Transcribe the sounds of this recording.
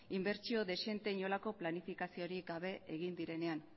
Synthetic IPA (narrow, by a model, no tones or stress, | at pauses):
imbe̞ɾt͡ʃio̞ðe̞se̞nt̪e̞ɲo̞lako̞planifikasio̞ɾiɡaβ̞e̞eɣ̞ind̪iɾe̞ne̞an